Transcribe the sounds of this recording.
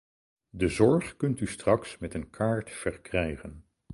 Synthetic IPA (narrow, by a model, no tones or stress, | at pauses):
dəzɔɹχkɵntystrɑksmɛtənkʰaːɹtfɛɹkrɛjχən